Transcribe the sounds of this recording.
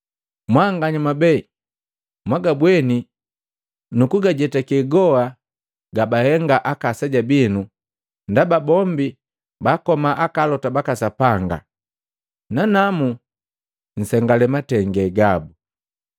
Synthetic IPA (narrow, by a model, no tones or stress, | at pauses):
mwaŋɡaɲamabɛi | mwaɡabwɛni | nukuɡaɟɛtakɛɡɔa | ɡabahɛŋɡaʔakasaɟabinu | ndababɔmbi | bakɔmaʔakalɔtabakasapaŋɡa̰ | nanamu | n̩sɛŋɡalɛmatɛŋɡɛɡabu